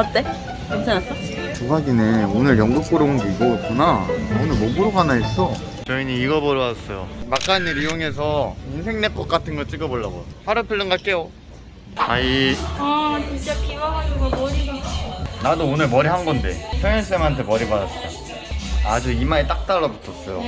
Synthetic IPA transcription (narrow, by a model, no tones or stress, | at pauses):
ʌt͈e | mat͡ɕʰanasʌ | puɦaɡine̞onɯɾjʌŋɡɯk͈oɾoŋdiɡokonaonɯɭmobuɾoɡanaɦes͈ʌ | t͡ɕʌiɲiːɡʌbʌɾʌwas͈ʌjomak͈aniɾijoŋe̞s̬ʰʌɯnsʰe̞ŋnek͈ʌk͈atʰɯnɡʌɭt͡ɕ͈iɡʌboɭːa̰ɡo̰jopʰaɾɯpʰɯɭːɯŋɡaɭk͈e̞jo | ai | t͡ɕʰit͡ɕ͈akʰimaɦad͡ʑuɡoboiʌnadoːnɯɭmʌɾiɦanɡʌnde̞̰pʰjʌŋjʌs͈emantʰe̞mʌɾibadas͈ʌjo | ad͡ʑuimaet͈ak̚t͈aɭːʌbutʰːʌs͈ʌjo